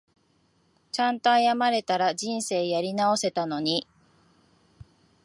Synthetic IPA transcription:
t͡ɕãnt̪o̞ajamaɾe̞t̪aɾaʑĩɰ̃se̞ːjaɾʲinao̞se̞t̪ano̞ɲ̟i

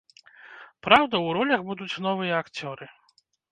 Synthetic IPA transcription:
pɾawd̪ɐwɾɔlʲɐxbud̪ut͡sʲn̪ɔvɨjɐːkt͡sʲɔɾɨ

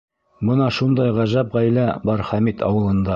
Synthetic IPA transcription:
bɤnɑʃund̪ɑjʁæʒæpʁæjlæbɑɾχæmit̪ɑ̰wɤ̆lˠɤ̆nd̪ɑ

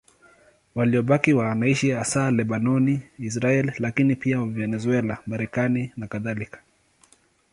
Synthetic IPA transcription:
waliɔɓakiwanaiʃiasalɛɓanɔniis̬ɾaɛlilakinipiawvɛnɛzwɛlamaɾɛkaninakaðalikḁ

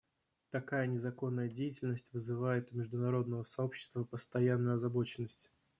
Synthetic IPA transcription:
t̪ɐkajənʲɪzɐko̞nːəjədʲejɪtʲɪlʲnəsʲtʲvɨzɨvajɪt̪ʊmʲɪʐd̪ʊnɐɾo̞d̪̚nəvəsɐo̞pɕːɪ̥st̪vəpəst̪ɐjanːʊjɐzɐbo̞t͡ɕɪnːəsʲtʲ

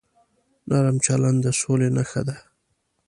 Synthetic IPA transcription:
nɑɾamt͡ʃaland̪əsolenaxad̪a

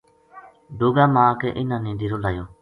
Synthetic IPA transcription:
ɖoːɡaːmãːkeʔɪnãːnĩːd̪iːɾoːlaːjoː

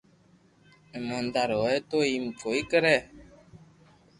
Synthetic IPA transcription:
ɛmɔn̩daɾowɛtoim̩p͡foikəɾɛ

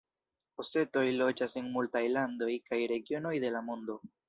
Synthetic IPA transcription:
ose̞t̪o̞jlo̞d͡ʒase̞ŋmultajland̪o̞jkajɾe̞ɡjo̞no̞jðe̞lamund̪o

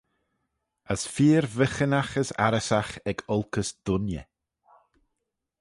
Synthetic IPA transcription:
əsfiːɾvəxənaxəsa̰ɾəsaxɛɡɔlˠkʰəsd̪̥ʊnjɛ̰

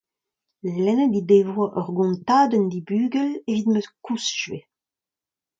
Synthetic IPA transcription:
lɛnədid̪eːvwaʔœʁɡɔ̃nt̪aːd̪ɛnd̪ibyːɡɛlevit̪møskusʒɥe

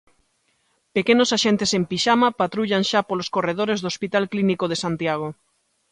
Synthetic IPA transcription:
pekenosaʃent̪esempiʃamapat̪ɾuʎaŋnʃapoloskoreð̞oɾezðospit̪alklinikoð̞esant̪jaɣ̞o

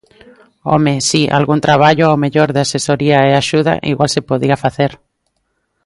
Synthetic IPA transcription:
o̰mesiʔa̰lɣunt̪ɾaβ̞aʎʊowmeʎoɾðɪasesoɾiaeaʃuða̰ʔḭɣwalsepoðiafaθeɾ

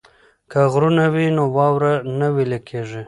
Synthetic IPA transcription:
kaɣɾunawinowɑwɾanawilekʰeʐi

